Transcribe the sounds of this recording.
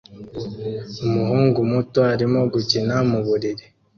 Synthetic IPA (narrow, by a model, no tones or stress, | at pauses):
umuhuːŋɡumutoaɾimo̞ɡucinamuβuɾiɾi